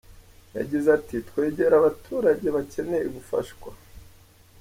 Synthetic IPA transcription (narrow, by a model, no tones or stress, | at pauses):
ja̰ɟizatitwe̞ːɟe̞ɾaβatʰuːɾaɟe̞βace̞ne̞iɡufa̰ʃkwa